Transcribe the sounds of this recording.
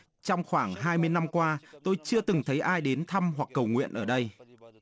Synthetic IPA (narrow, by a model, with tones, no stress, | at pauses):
t͡ɕɔ˧wŋ͡mxwaː˧˩ŋɦaː˧jmɨ˧əjna˧mkwaː˧t̪o˧jt͡ɕɨ˧ət̪ɨ˨˩ŋt̪ʰə˨˦jʔaː˧jɗe˨˦nt̪ʰa˧mɦwa˨˩k̚ːə˨˩wŋwḭ˧˨ənʔəː˧˩ɗə˧j